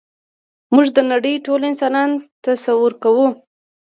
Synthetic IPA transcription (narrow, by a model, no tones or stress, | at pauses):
muʐd̪ənaɽəjʈolɪnsɑnɑnt̪asawuɾkawu